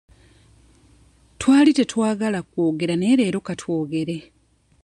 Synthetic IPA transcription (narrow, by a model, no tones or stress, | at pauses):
twaːlite̞twaːɡalakwoːɡe̞ɾane̞ːɾe̞ːɾokatwo̞ːɡe̞ɾe̞